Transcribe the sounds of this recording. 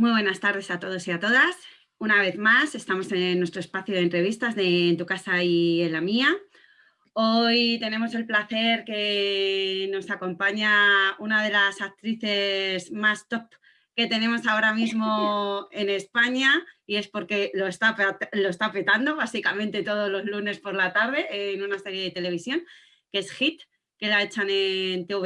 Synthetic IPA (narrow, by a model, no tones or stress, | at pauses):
mwiβwe̞nast̪aɾð̞e̞sat̪o̞ð̞o̞siat̪o̞ðas | unaβ̞e̞θmase̞st̪amo̞senːwe̞st̪ɾoe̞spaθjoðent̪ɾe̞β̞ist̪azðeːnt̪ukasaielːamia | o̞jt̪e̞ne̞mo̞se̞lplaθe̞ɾke̞ | no̞sako̞mpaɲaunað̞e̞lasak̚t̪ɾiθe̞zmast̪o̞p | ke̞t̪e̞nẽ̞mo̞sao̞ɾamizmo̞e̞ne̞spaɲaie̞spo̞ɾke̞lo̞est̪apt̪lo̞est̪ape̞t̪and̪o̞βasikamẽnt̪e̞t̪o̞ð̞o̞zlo̞zlune̞spo̞ɾlat̪aɾðe̞ːnunase̞ɾje̞ðe̞t̪e̞le̞β̞isjo̞ŋ | kee̞sxit̪ | ke̞lae̞t͡ʃane̞nt̪e̞uβ